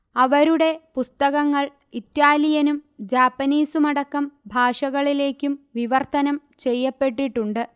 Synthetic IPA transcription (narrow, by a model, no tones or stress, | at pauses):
ɐʋɐɾuɽe̞pust̪ɐɣɐŋːɐɭ | itːaːlijɐnumd͡ʑaːpːɐniːsumɐɽɐkːɐmbʱaːʂɐɣɐɭile̞ːkʲːumʋiʋɐrt̪ɐnɐm | t͡ɕe̞jːɐpːe̞ʈːiʈːuɳɖɨ